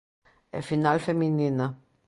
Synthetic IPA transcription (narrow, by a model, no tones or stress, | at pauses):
ḛfinalfeminina